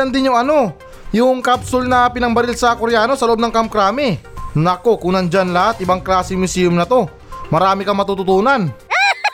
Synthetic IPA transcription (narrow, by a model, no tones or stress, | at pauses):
ɐnd̪ɪnjʊŋɐno̞ | jʊŋkabsʊlnɐpɪnɐŋbɐɾɪlsɐkoɾɛjaːno̞sɐloʔobnɐŋkɐmkɾaːmɪnɐko̞kuːnɐnd͡ʒanlɐhat̪̚ʔɪbaŋklaːsɪŋmʊsiːjʊmnɐt̪o̞ | mɐɾaːmɪkɐmɐt̪ut̪ʊt̪uːnan